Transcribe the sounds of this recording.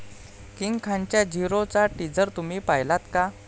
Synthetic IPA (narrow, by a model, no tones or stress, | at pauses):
kiŋɡkʰãɲt͡ɕjad͡ʑiɾot͡saʈid͡zəɾt̪um̤iːpajlat̪ka